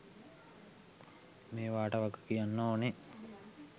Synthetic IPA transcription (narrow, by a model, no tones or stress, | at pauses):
meːʋaːʈəʋaɡə̥kijanːoːne